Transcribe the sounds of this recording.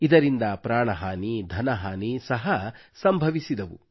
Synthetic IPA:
id̪ɐɾind̪ɐpɾaːɳɐɦaːnid̪ʱɐnɐɦaːnisɐɦɐsɐmbʱɐʋisid̪ɐʋṵ

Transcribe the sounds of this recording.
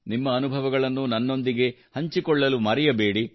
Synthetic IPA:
nimːɐːnubʱɐʋɐɡɐɭɐnːunɐnːo̞nd̪iɡe̞hɐɲt͡ʃikɔɭːɐlumɐɾɛjɐbe̞ːɽi

